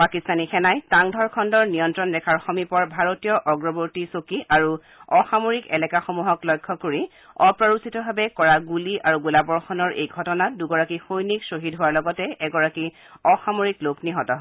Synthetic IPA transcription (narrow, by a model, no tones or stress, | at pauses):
pakistanixɛnajtaŋdʱɔɹkʰɔndɔɹnijɔntɹɔnɹɛkʰaɹxɔmipɔɹbʱaɹotijɔʔɔɡɹɔboɹtisokiʔaɹu | ɔxamoɹikɛlɛkaxomuɦɔklɔjkʰːɔkoɹi | ɔpɹɔɹusitɔbʱabɛkɔɹaɡuliaɹuɡulabɔɹxɔnɔɹʔḛjɡʱɔtɔnaduɡɔɹakixojniksoɦidɦʊwaɹlɔɡɔtɛɛɡɔɹaki | ɔxamoɹiklokniɦɔtɔɦɔ